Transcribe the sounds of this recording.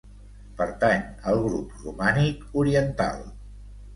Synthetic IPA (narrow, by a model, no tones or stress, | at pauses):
pəɾt̪anəlˠɣɾuprumanikuɾiənt̪a̰lˠ